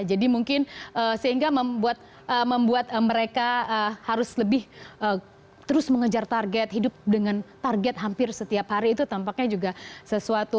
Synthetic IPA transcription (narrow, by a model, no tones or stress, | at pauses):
d͡ʒadimuŋkɪnʔəsəɦiŋɡaməmbuat̪̚ | əməmbuat̪̚əməɾekaəhaɾʊsləbɪhʔə | t̪əɾʊsməŋəd͡ʒart̪arɡɛt̪̚ɦidʊp̚dəŋant̪arɡɛt̪̚ɦampɪrsət̪iap̚haɾiːt̪ut̪ampak̚ɲad͡ʒuɡasəsuat̪u